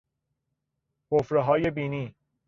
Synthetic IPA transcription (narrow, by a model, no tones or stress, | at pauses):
kʰofɾeɦɒːjebiːniː